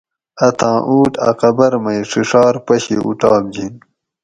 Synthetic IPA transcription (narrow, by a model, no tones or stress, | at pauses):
ɐt̪ʰãːʔuːʈɐ̰qɐbɐɾmɐjʂiʂɑːɾpɐɕiʔṵʈaːmd͡ʑin